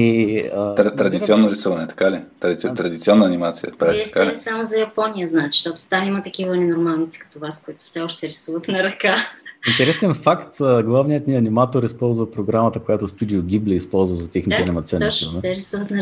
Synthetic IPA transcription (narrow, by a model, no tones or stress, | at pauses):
iəɾt̪ɾɐd̪ʲit̪siɔnːoɾisɔvɐnɛt̪ɐ̥kalit̪t̪ɾɐd̪it̪siɔnːəːnimat̪sijə̰pɾaɛt̪ɐ̥kalisamozɐjɐpɔnijəznaɛt̪ʃt̪ɔt̪o̥t̪amimɐt̪ɐk̟ivənɛnoɾmalˠnit̪si̥kɐ̥t̪ɔvaskoit̪ʊ̥fsɛɔʃt̪ɛɾɛsuvət̪nɐɾɐkaint̪ɛɾɛsɛnfakt̪əɡlˠavnijət̪niɐnimat̪oɾispɔlˠzvɐpɾoɡɾamət̪əkojat̪ost̪ud̪ioɡʲiblʲɛːspɔlˠzvəzɐt̪ɛxnit̪ɛɐnʲimɐt̪sʲɔnsvɛɾɛsuvət̪nɐ